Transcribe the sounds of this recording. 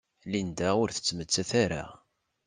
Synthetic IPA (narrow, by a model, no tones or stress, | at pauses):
lind̪æʊɾθə̥t͡sːmət͡sːæθaɾa̰